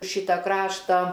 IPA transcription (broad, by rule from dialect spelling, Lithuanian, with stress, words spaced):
ˈʃʲiːtɐ ˈkrɑːʃtɑː